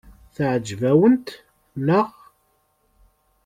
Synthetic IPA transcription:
θʕd͡ʒvæwənt̪ | nəʁ

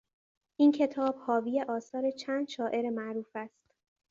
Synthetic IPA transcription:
ʔincʰe̞t̪ʰɒːb̥hɒːvijeʔɒːsɒːɾet͡ʃʰæːnd̪ʃɒːʔe̞ɾemæʔɾuːfæst̪

